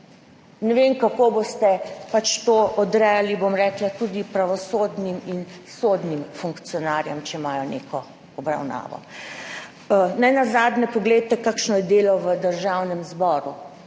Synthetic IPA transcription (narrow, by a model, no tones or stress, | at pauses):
nɛʋemkakoːbost̪ɛpat͡ʃt̪oːʔɔd̪ɾɛjalibomɾɛklat̪uːd̪ipɾaʋɔsoːd̪niminsod̪nimfuŋkt̪sijɔnaːɾjɛmt͡ʃɛmaːjɔnḛːkɔ | ɔbɾa̰wna̰ːʋɔ̰ | najnazaːd̪nɛpɔɡlejt̪ɛkakʃnɔjɛd̪eːlɔʋəd̪əɾʒawnɛmzbɔːɾu